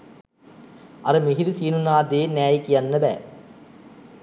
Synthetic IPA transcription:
ʔɐɾɐmɪɣɪɾisiːnunaːd̪eːnaːjkːijɐnːɐbɛ̰ː

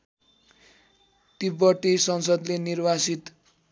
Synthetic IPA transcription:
t̪ibʌʈisʌnsʌd̪lenirbasit̪

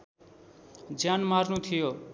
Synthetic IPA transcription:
d͡zjanmarnut̪ʰijo

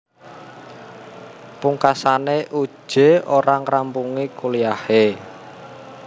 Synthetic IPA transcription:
puŋkasaneʔu̥ʒ̥e̤oɾaŋrampuŋikulijahe

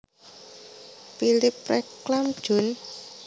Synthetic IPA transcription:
pilɪp̚rɛklamd̥ʒ̥ʊ̤n

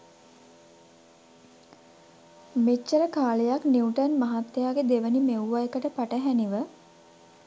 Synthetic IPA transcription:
met͡ʃːəɾəkaːlejakniuwʈənmaɦat̪ːjaːɡed̪eʋənimewːajəkəʈəpaʈəɦæniʋə

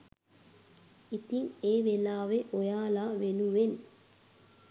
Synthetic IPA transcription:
it̪iŋeːʋelaːʋeʔɔjaːlaʋeluʋen

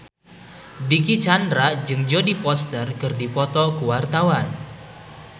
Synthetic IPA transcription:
dikit͡ʃandɾad͡ʒɨŋd͡ʒodipɔst̪ərkɨrdipɔt̪ɔkuwart̪awan

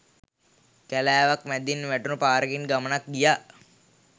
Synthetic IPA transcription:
kælæːʋakmæd̪inʋæʈunəpaːɾəɡinɡamənak̚ɡijaː

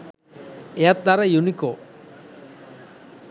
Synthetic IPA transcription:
eat̪̚d̪aɾajuniko

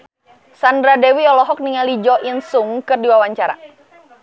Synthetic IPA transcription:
sandɾadɛwiɔlɔɦɔk̚niŋalid͡ʒɔʔinsuŋkɨrdiwawaɲt͡ʃaɾa̰

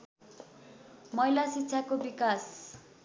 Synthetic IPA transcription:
mʌjlasitːsʰakobikas

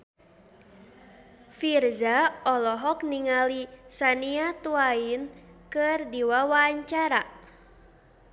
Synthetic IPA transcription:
firzaɔlɔɦɔkniŋalisaniat̪uainkɨrdiwawaːɲt͡ʃaɾa

